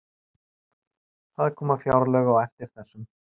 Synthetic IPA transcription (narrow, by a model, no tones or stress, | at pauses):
θaðɪɾkʰɔːmafjawɾlœɣawɛft̪ɪɾ̥θɛsːʏm